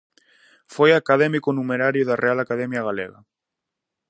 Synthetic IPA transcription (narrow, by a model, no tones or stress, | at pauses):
fojakaðɛmikonumeɾaɾjoðarealakaðɛmjaɣalḛɣa̰